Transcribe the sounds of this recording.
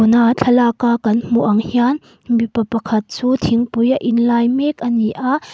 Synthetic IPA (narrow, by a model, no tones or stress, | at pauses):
unat͡ɬʰɐlakakɐnm̥uʔɐŋhian | mipɐpɐkʰɐt̪̚t͡suːt̪ʰiŋpujaʔinlajmɛk̚ʔɐniʔaʔ